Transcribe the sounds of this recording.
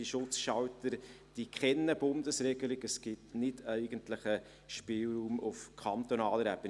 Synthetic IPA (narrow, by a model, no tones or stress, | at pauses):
iʃʊt͡sʃɑltəɾ | d̥ikχɛnːəbʊndəsɾɛɡ̥əlɪɡəsɡ̥ɪtnɪdæɪɡ̥əntləχə | ʃpɪːlɾuːmʊfkʰɑnt̪onɑːləɾæb̥ən